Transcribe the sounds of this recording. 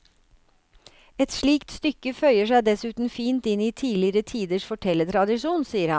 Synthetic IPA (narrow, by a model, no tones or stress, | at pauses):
ɛt̪ʂɭiːkt̪st̪ʏkəfœʏəʂæɪd̪ɛsʉːt̪n̩fiːnt̪ɪniːt̪ʰiːlɪɾət̪ʰiːd̪əʂfɔʈʰɛlːət̪ʰɾɑd̪ɪʂuːnsiːəɾhɑ